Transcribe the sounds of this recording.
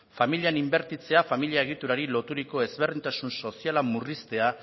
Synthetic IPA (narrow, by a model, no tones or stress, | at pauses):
familianimbe̞ɾt̪it͡se̞afamiliaeɣ̞it̪uɾaɾilo̞t̪uɾiko̞e̞zβe̞rðint̪asunso̞sialamurist̪e̞a